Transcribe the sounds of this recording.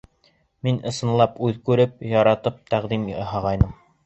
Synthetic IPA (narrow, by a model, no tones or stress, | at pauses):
minʔɤ̆sɤ̆nlˠɑpʉðkʉɾɘp̚jɑɾɑt̪ɤp̚t̪æʁd̪imhɑʁɑjnɤm